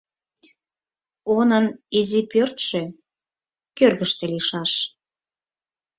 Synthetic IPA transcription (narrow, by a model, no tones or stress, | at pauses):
onənizipørt̪ʃø | kørɣəʃt̪ĕliʃɑʃ